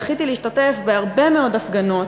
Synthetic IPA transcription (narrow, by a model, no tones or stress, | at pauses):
χit̪iliiʃtatefbeaʁbe̞meo̞dafɡano̞t